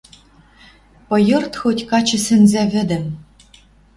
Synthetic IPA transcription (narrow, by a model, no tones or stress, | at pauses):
pɤ̆jɤ̆rt̪xotʲkɑt͡ɕɘ̆sɘ̆nzævɘ̆d̪ɘ̆m